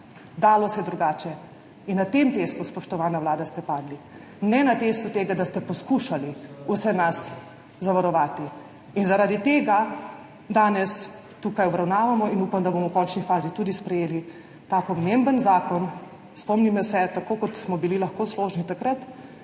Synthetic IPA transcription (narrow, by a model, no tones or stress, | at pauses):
d̪aːlɔsɛjɛd̪ɾuɡaːt͡ʃɛ | inːat̪emt̪eːst̪uspɔʃt̪ɔʋaːnawlaːd̪ast̪ɛpaːd̪li | nɛnat̪est̪ut̪eːɡad̪ast̪ɛpɔskuːʃaliusɛnas | zaʋaɾɔʋaːt̪i | inzaɾaːd̪it̪eːɡa | d̪aːnɛs | t̪ukajɔbɾawnaːʋamɔinuːpamd̪abomɔwkɔnt͡ʃnifaːzit̪uːd̪ispɾɛjeːli | t̪apɔmembənzaːkɔn | spɔmnimɔsɛt̪akoːkɔt̪smɔbililaxkoːsloːʒnit̪akɾat̪